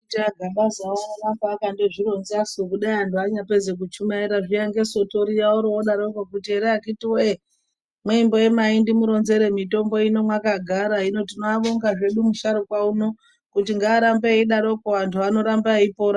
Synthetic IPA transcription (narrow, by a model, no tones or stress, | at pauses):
utiaɡʱaɓazaoanorambaːkandeʐiɾo̞nzasokuɗaiantuaɲape̞d͡zek̬ut͡ʃumaiɾaʐiaŋɡe̞so̞to̞ɾijauɾooɗaɾo̞kokutieɾeakitiwoe | mweimbo̞je̞maindimuɾo̞nze̞ɾe̞mito̞mbo̞ino̞mwakaɡʱaɾaɦino̞tinoaʋoŋɡaʐe̞ɗumuʃaɾokwauno̞ | kutiŋɡaːɾambeiɗaɾo̞koʋantʰuʋano̞ɾambaipo̞ːɾa